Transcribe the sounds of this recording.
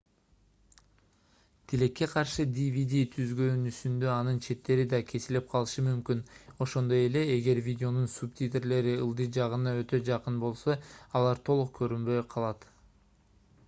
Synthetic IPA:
t̪ʰile̞kːe̞qʰɑɾʃɯd̪ʲivʲid̪ʲit̪ʰyzɡønysynd̪ø̞ɑnɯnt͡ʃʰe̞t̪ːe̞ɾid̪ɑkʲʰe̞silip̚qʰɑlˠɯʃɯmymkyno̞ʃo̞nd̪o̞je̞le̞eɡe̞ɾvʲidʲɪo̞nunsup̚t̪ʲit̪eɾle̞ɾiɯlˠd̪ɯd͡ʒɑʁɯnɑø̞t̪ø̞d͡ʒɑqɯnbo̞lˠso̞ɑlˠɑɾt̪ʰo̞lˠuq̚kʰø̞ɾynbø̞jqʰɑlˠɑt̪

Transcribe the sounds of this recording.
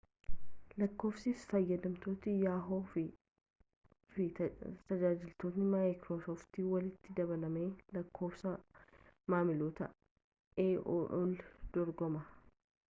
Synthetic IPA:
lɐkːo̞ːfsɪsfɐjːɐd̪ɐmt̪oːt̪ɪjaːɦoːfɪ | fɪt̪ɐd͡ʒaːd͡ʒɪlt̪oːt̪nɪmakɾoːsoːft̪iːwɐlɪt̪ːɪd̪ɐbɐlɐmeːlɐkʰːo̞ːfsɐ | maːmɪloːt̪ɐ | eːʔoʔold̪̥ɔɾɡɔmɐ

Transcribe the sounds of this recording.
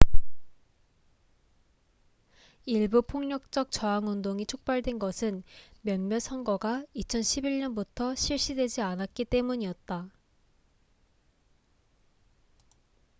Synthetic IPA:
iɭbupʰoŋɲʌk̚t͡ɕ͈ʌk̚t͡ɕʌaŋundoŋit͡ɕʰok̚p͈aɭdwe̞nɡʌsʰɯnmjʌnmjʌsʰʌnɡʌɡait͡ɕʰʌnɕʰibiɭɲʌnbutʰʌɕʰiɭɕ͈idwe̞d͡ʑianat̚k͈it͈e̞muɲiʌt̚t͈a

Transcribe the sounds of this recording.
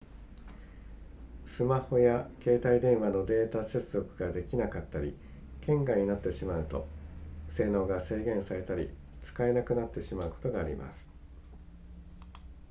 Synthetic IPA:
sɨmaho̞jake̞ːt̪aid̪ẽ̞ɰ̃βano̞d̪e̞ːt̪ase̞t͡sɨzo̞kɯ̟ɡad̪e̞kʲinakat̪ːaɾʲḭ | kʰẽ̞ŋɡaɲ̟inat̪ːe̞ɕimaɯ̟t̪o̞̰se̞ːnoːɡase̞ːɡẽ̞ɰ̃saɾe̞t̪aɾʲḭ | t͡sɨ̥kae̞nakɯ̟nat̪ːe̞ɕimaɯ̟ko̞̥t̪o̞ɡaːɾʲḭma̰sɨ̥

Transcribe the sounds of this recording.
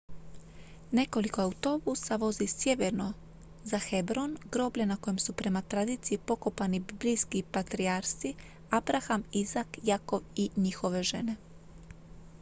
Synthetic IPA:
ne̞ko̞likoauwt̪o̞busaʋo̞zisje̞ʋeɾno̞ | zaxebɾo̞nɡɾo̞bʎenako̞jemsupɾe̞mat̪ɾad̪iːt̪sijipo̞ko̞panibiblijskipat̪ɾiaɾsi | abɾaxamizakjako̞ʋiɲixo̞ʋe̞ʒe̞ne̞

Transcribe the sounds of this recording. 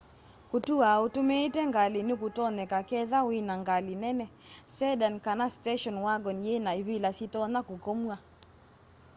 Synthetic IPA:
kutuautumetɛŋɡalɪnikutɔnɛkakɛðawɪnaŋɡalɪnɛnɛ | sɛdankanastɛʃɔnwaɡɔnjenaiβilasitɔnakukomua

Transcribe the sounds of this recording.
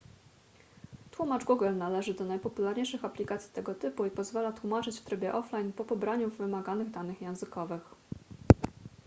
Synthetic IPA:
t̪wumad͡ʐɡuɡɛlnalɛʐɘd̪ɔnajpɔpulaɾɲejʂɘxaplʲikat̪sʲi̥t̪ɛɡɔt̪ɘpuipɔzvalat̪wumat͡ʂɘt͡ɕft̪ɾɘbʲjɛʔɔflajnpɔpɔbɾaɲuvːɘmaɡanɘɣd̪anɘxjɛ̃w̃zɘkɔvɘx

